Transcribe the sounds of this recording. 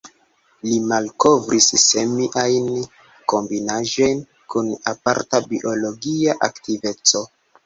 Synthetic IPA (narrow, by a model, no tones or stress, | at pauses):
limalko̞vɾʔisːemiʔajn | ko̞mbinaʒo̞jn | kunapa̰ɾtabiʔo̞lo̞ɡiaʔaktive̞t͡so̞